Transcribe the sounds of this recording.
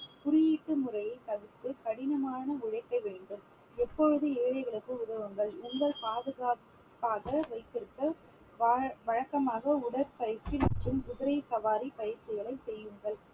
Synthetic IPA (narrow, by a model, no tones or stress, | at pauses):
kʊɾɪjiːʈːɯmʊrɐjɐɪt̪ɐɣɯt̪ːɯkɐɽɪnɐmaːnɐʊɻɐɪkːɐɪʋeːɳɖɯm | ɛpːɔɻɯðɯeːɻɐɪɣɐɭɯkːɯʊðɐʋɯŋɡɐɭʊŋɡɐɭpaːðɯɣaː | paːɣɐʋɐɪt̪ːɪɾɯkːɐ | ʋʋɐɻɐkːɐmaːɣɐʊɽɐɾpɐjɪɾt͡ʃːɪʈːɯmkʊðɯɾɐɪsɐʋaːɾipɐjɪɾt͡ʃːɪɣɐɭɐɪsɛjːɯŋɡɐɭ